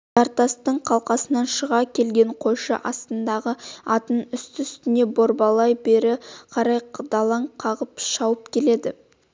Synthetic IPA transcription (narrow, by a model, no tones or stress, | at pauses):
ʒɑɾt̪ɑst̪əɴqʰɑlˠqɑsənɑnʃəʁɑkʲʰe̞lɡʲe̞ɴqʰo̞jʃə̰ʔɑst̪ənd̪ɑʁəɑt̪ənʏst̪ʏst̪ɪne̞bo̞ɾbɑlˠɑjbe̞ɾɪqʰɑɾɑjqd̪ɑlˠɑɴqʰɑʁəpʃɑwəpkʲʰe̞le̞d̪ɪ